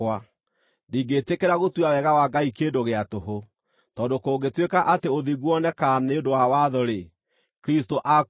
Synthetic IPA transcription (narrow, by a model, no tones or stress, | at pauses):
wa | diːŋɡetekeɾaɣotwawɛɣawaɡaikeːndoɣeatoɦo | tɔːdokoːɡetwekaʔateoðiɣwɔnɛkaneondowawaðɔɾe | kɾistoʔa